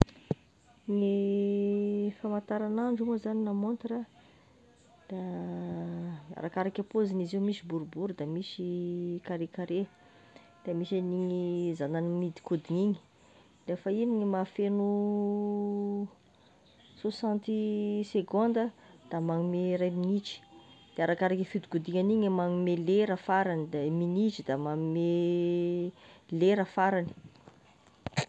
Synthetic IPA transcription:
ni | famant̪aɾanaɳɖ͡ʐuməzaninamont̪ɾa | d̪̥a | a̰ɾakaɾakapozinizemisibuɾubuɾud̪amisikaɾekaɾe | d̪̥amisaniɲizananimid̪i̥kud̪iniɲi̥ | lefainiɲimafenu | sosãnt̪iseɡõnd̪əd̪̥amaŋumeɾajminit͡ʃi̥d̪̥eaɾakaɾakifid̪i̥kud̪iŋaniɲamaŋumeleɾəfaɾanid̪aminit͡ʃid̪amaŋume | leɾəfaɾani̥

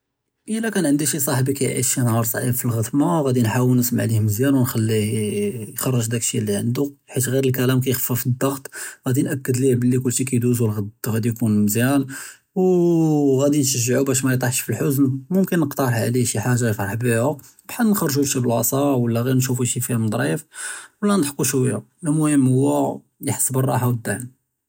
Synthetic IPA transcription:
ʔəlækænʕənd̪iʃisˤɑħbikæjʕḭʃinhɑɾˤsˤʕibfilɣət̪maɣæd̪inħawəlnːəsmʕlihməzjænwnxælːi | jxɑrˤːəʒd̪ækə̥ʃilːiʕə̰nd̪u | ħit̪ɣiɾəlkælæmk̬æjxfːæfid̪ːɑɣt̪ˤɣæd̪inʔækːəd̪libəlːikʊlːʃikæjd̪uzulɣəd̪ɣæd̪ijkunməzjæn | w | ɣæd̪inʃəʒːəʕubæʃ̬mæjt̪ˤɑħʃfəlħʊznmʊmkənːəqt̪ɑɾˤʕliʃiħaʒːajfɾˤɑħbiʕʊ | bħad̪nxɑrˤʒuʃibəlʕɑsˤɑwəlːæɣiɾnʃufuʃifihæmd̪ˤɾˤiəfwəlːænət̪ħkuʃwəjːa̰ | lmʊhəmːhʊwːæ | jəħə̥sːbərˤːɑħawəd̪ːaʕm

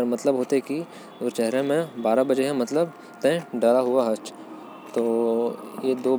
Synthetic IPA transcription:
ɾmɐt̪ləbɦoːt̪eɦki | ʊɾt͡ʃɛɦɾemẽbaːɾabɐd͡ʒeɦɛ̃mɐt̪ləb | t̪ɛ̃ɖəɾaɦʊaɦɐt͡ʃ | t̪oːjed̪oː

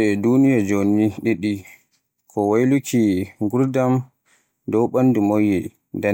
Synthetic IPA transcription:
ɛdunijad͡ʒoniɗiɗi | kʰɔwajlukʰiŋɡuɾdam | dɔwɓandumojɛ | da

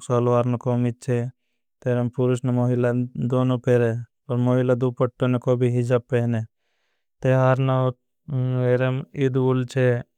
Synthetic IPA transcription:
soːlʋaːɾnokoːmid̪̚t͡ʃʰe | t̪eːɾempʊɾusnemoːɦilad̪oːnopeɾe | oɾmoːɦilad̪upəʈːonekoːbʱiɦid͡ʒappːeɦne | t̪eɦaɾna | eɾemid̪ult͡ʃʰe

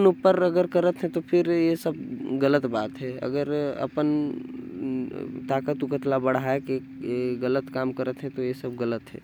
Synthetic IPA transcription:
nupːəɾɐɡəɾkəɾət̪ɦɛ̃t̪opʰɪɾjesəb̚ɡələt̪baːt̪ɦɛɐ̰ɡəɾɐ̰pən | t̪aːkət̪ʊkət̪labəɽ̤aeke | ɣələt̪kaːmkəɾət̪ɦɛ̃t̪ojesəbɡələt̪ɦɛ̰ː

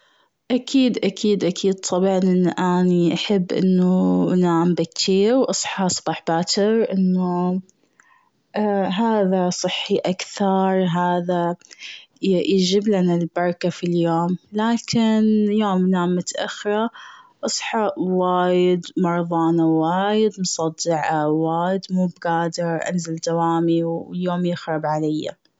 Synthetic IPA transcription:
ʔakʰiːd̪ʔakʰiːd̪ʔakʰiːd̪̚t̪ʰˤɑbʕɑnʔɪnːʔaniʔaħɪbːʔɪ̰nːunaʕmbɪkt̪ʰiːɾwʔɑsˤħɑsˤbɑːħbaːt̪ɪɾʔɪnːu | ɦaːðasˤɨħːiʔakθɑɾˤɦaːða | jjɪd͡ʒɪblanalbɑɾˤɑkafiljoːmlaːkɪnjoːmnamːʊt̪ʔa̰xɪɾˤɑʔɑsˤħɑʔwaːjɪd̪mɑɾˤðˤɑːnawaːjɪd̪mʊsˤɑd̪ːɪʕawaːjɪd̪muːbɡaːd̪ɪɾʔa̰nzald̪awaːmiwljoːmjɪxɾˤɑbʕalajːa̰

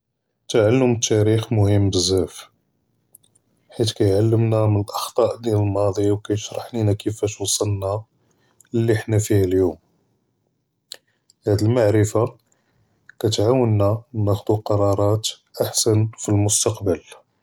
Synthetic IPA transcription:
t̪aʕalːəmət̪ːæɾixmʊhəmːbəzːæf | ħit̪kæjʕalːəmnæmənəlʔɑxt̪ˤɑʔd̪inəlmɑd̪ˤiwkæjəʃɾˤɑħlinækʰəfæʃwsˤɑlna | lːiħnæfihæljum | hæd̪əlmaʕɾəfa | kæt̪ʕawənːæwnæxd̪uqɑɾˤɑɾˤɑt̪ | ʔaħsænfilmʊst̪ɑqbəl

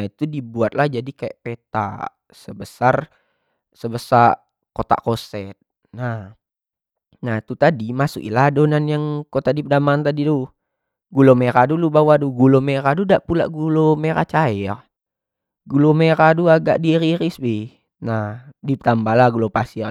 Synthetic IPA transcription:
it̪udibuat̪̚lahd͡ʒadikajaʔpet̪a̰ | səbəsar | səbəsa | kot̪a̰kosɛt̪̚ | nah | nat̪ut̪adimasṵkḭladonanjaŋkot̪adipədamaːnt̪adidu | ɡulomeɾadulubawaduɡulomeɾadudaʔpula̰ʔɡulomeɾa̰t͡ʃaɛ | ɡulomeɾaduaɡa̰ʔdiɾiɾisbɪh | nadipt̪ambalahɡulopasi

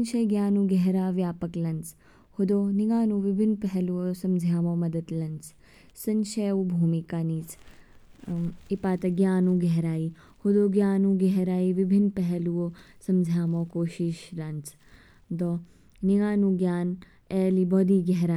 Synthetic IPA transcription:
nʃɐjɡjaːnũːɡɛɦɾaːʋjaːpɐklɐnt͡s | hud̪oːniɡaːnũːʋibʱinːpɛɦɛluʋosɐ̃md͡ʒʱjaːmoːmɐd̪ɐd̪lɐnt͡s | sɐnʃeːubʱuːmikaːniːt͡s | ipaːt̪ɐɡjaːnũːɡɛɦɾaːi | hud̪oːɡjaːnũːɡɛɦɾaːiʋibʱinpɛɦɛluʋosɐmd͡ʒʱjaːmoːkoːʃiʃlɐnt͡s | d̪ɔ | niŋaːnũːɡjaːn | eːlibɔːd̪iːɡɛɦɾaː

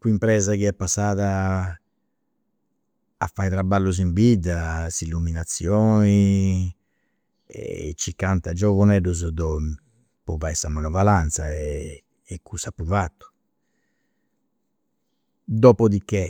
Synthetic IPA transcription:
kuimpɾɛːzakiɛpːasːaːða | fajt̪ɾabalːuz̬iɱvid̪asilːuminat̪sːjɔːni | ɛ̰t͡ʃikant̪ad͡ʒɔvunɛduzd̪ɔ | pɔvajsamanɔvalant̪saɛː | kːusapːuvat̪ːu̥ | d̪ɔːpɔd̪ikːe

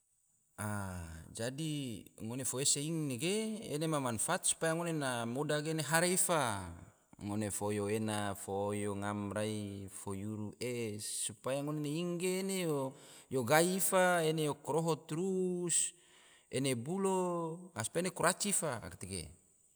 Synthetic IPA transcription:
ad͡ʒadiŋonefoeseiŋneɡḛːnemamanfat̪̚su̥pajaŋonenamodaɡeneɦaɾeifa | ŋonefojoenafojoŋamraifojuɾuʔesupajaŋoneneiŋɡeːnejojoɡaifaenejokɾoɦot̪ɾus | enebuloaspaenekuɾat͡ʃifaa̰kat̪iɡḛ

